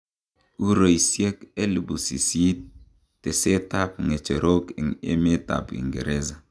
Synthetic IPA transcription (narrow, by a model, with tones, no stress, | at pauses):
u˦ɾo˨i˨sje˦ke˦li˨bu˨si˨si˦tː | e˨se˦ta˦p̚ŋe˨t͡ʃe˨ɾo˦kḛ˨ŋḛ˦me˦ta̰˨pḭ˨ŋɡḛ˨ɾe˦za˨